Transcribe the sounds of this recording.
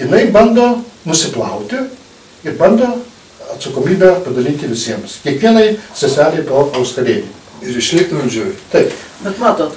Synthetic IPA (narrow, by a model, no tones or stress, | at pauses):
jɪnɐɪbɐnd̪oːnʊsʲɪplˠɐʊt̪ʲɪ | ɪɾbɐnd̪oː | ɐt̪sɐkoːmʲiːbʲæpɐd̪ɐlʲɪnt̪ʲɪʋʲɪsʲiɛmskʲiɛkʋʲiɛnɐɪsʲɛsʲɑːlʲɛɪpoːkɐʊskɐd̪ʲeːnʲim | ɪɾɪʃʲlʲɪkt̪ʲɪmɐʒʲujʲt̪ɐɪpbʲɛt̪mɑːt̪oː